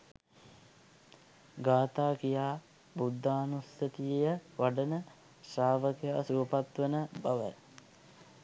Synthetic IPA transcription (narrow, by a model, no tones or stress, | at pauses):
ɡaːt̪aːkijaː | bud̪ʱːaːnusət̪ijejəʋaɖənə | ʃɾaːʋəkjaːsuːpat̪ʋənəbaʋə̰